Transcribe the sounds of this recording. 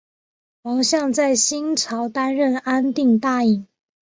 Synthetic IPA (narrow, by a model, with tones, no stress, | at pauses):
wɑ˧˥ŋɕjɑ˥˧ŋt͡sa˥˩ɪɕi˥nʈ͡ʂʰɑ˧˥ʊt̪a˥nɻə˥˨na˦nt̪i˥˧ŋt̪a˥˩i˨˩ŋ